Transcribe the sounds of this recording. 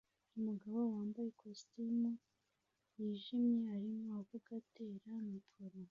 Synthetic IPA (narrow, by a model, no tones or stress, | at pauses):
umuɡaβowaːmbaje̞kʰostimu | jiːʒimɲe̞aɾimoaɡuɡate̞ːɾamikʰoɾo